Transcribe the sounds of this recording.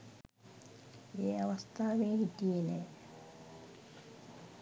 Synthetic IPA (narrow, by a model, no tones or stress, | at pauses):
eːaʋɐst̪aːʋeːhit̪ienɛː